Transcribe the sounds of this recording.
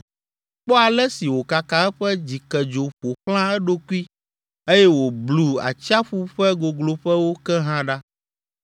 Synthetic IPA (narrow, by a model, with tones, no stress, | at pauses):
k͡pɔ˦a˨lɛ˦si˨wo˨ka˨ka˨ɛ˦ɸɛ˦d͡ʑi˨kɛ˨d͡ʒo˨ɸo˨xl̃ã˦ɛ˦ɖo˦ku˦i˦ | e˦jɛ˦wo˨blu˨a̰˨t͡ɕa˦ɸu˦ɸɛ˦ɡo˨ɡlo˨ɸɛ˦wo˦kɛ˦ɦã˦ɖa˦